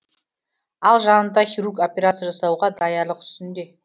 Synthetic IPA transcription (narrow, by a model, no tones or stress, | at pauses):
ɑlˠʒɑnənd̪ɑχʲiɾukopʲeɾat̪səʒɑsɑwʁɑd̪ɑjɑɾlˠəqʏ̥st̪ɪnd̪e̞